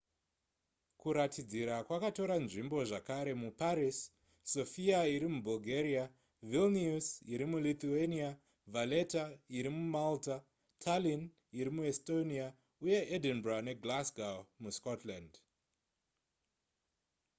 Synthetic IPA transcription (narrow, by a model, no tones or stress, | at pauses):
kuɾatʰid͡ziɾakwakato̞ɾanʐimbo̞ʐakaɾe̞mupaɾisː | o̞fiaiɾimubulɡʱeɾia | vilniusiɾimulit̪uenia | vale̞taiɾimumalta | tʰalin | iɾimuesto̞nia | uje̞ʔedinbrane̞ɡlasɡamuskotland